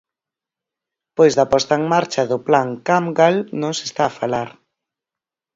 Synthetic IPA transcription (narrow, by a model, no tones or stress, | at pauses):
pojzðapɔst̪aeŋmaɾt͡ʃaðʊplaŋkamɡalnõŋse̥st̪afalaɾ